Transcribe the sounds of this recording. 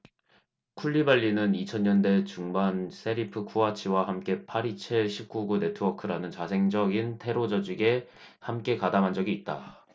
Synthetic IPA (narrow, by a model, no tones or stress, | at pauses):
kʰuʎːibaʎːinɯnit͡ɕʰʌnɲʌnde̞t͡ɕuŋbansʰe̞ɾipʰɯkʰuat͡ɕʰiwahamk͈e̞pʰaɾit͡ɕʰeɕʰip̚k͈uɡune̞tʰɯwʌkʰɯɾanɯnt͡ɕasʰe̞ŋd͡ʑʌɡintʰe̞ɾod͡ʑʌd͡ʑiɡe̞ | hamk͈e̞kadamɦand͡ʑʌɡiːt̚t͈a